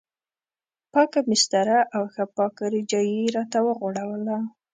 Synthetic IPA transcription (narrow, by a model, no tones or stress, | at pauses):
pɑkamɪst̪aɾaʔawxapɑkaɾɪd͡ʒɑjiɾɑt̪awəɣoɽawəla